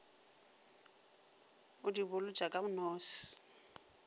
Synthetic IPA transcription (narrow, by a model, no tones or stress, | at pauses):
ʊdibʊlʊd͡ʒʼakʼamʊnɔːsɪ̥